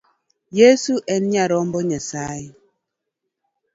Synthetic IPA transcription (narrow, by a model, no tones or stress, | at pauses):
jesuʔɛn̩ɲaɾɔm̩bɔɲɛsaːi